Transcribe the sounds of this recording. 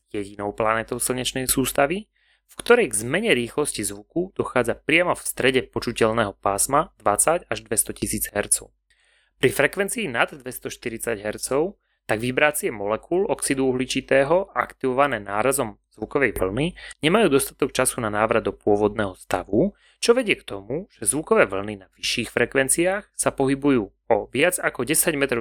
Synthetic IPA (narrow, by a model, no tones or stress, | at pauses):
jɛɟinɔʊplanɛːt̪ɔʊsl̩ɲɛt͡ʃnɛjsuːst̪aʋi | fkt̪ɔɾɛjɡzmɛɲɛɾiːxlɔscizʋukud̪̥ɔxaːd͡zapɾɪamɔfst̪ɾɛɟɛpɔt͡ʃucɛʎnɛːɦɔpaːsmad̪̥ʋat͡saɟaʒd̪ʋɛst̪ɔcisiːd͡zɦɛɾt͡sɔʊ | pɾifɾɛkʋɛnt͡siːnad̪ːʋɛst̪ɔʃt̪iɾit͡saɟɦɛɾt͡sɔʊ | t̪aɡʋibɾaːt͡sɪɛmɔlɛkulɔksid̪uuɦlit͡ʃit̪ɛːɦɔa̰kt̪iʋɔʋanɛːnaːɾazɔm | z̥ʋukɔʋɛjʋl̩niɲɛmajuːd̪ɔst̪ḁt̪ɔk̚t͡ʃasunanaːʋɾad̪ɔpʊɔʋɔd̪nɛːɦɔst̪aʋu | t͡ʃɔʋɛɟɪɛkt̪ɔmuʒ̥ɛzʋukɔʋɛːʋl̩ninaʋiʃːiːxfɾɛkʋɛnt͡siaːxsapɔɦibujuː | ɔʋɪad͡zakɔɟɛsaɟmɛt̪ɾɔ